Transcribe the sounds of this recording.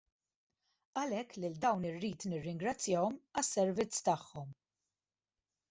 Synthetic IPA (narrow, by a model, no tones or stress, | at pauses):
ɐlɛkːlɪld̪ɐwnɪrːiːt̪nɪrːɪŋɡɾɐt͡sːjɐɔmɐsːɛɾvɪt͡sːt̪ɐħːɔm